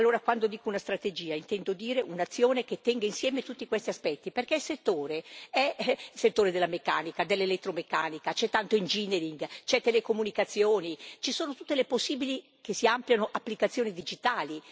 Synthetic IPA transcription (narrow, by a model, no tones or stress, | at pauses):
alːoːɾakwand̪od̪iːkounast̪ɾat̪ed͡ʒiːaint̪ɛnd̪od̪iːɾeʔunat̪sːjoːnek̟et̪ːɛŋɡainsjɛːmet̪ut̪ːikwest̪iaspɛt̪ːiperkɛilset̪ːoːɾeɛset̪ːoːɾed̪elːamekːaːnikad̪elːelet̪ːɾomekːaːnikat͡ʃɛt̪ːant̪oind͡ʒineɾiŋɡt͡ʃɛt̪ːelekomunikat̪sːjoːnit͡ʃisoːnot̪ut̪ːeleposːiːbili | kesiampljanoʔapːlikat̪sːjoːnid̪id͡ʒit̪aːli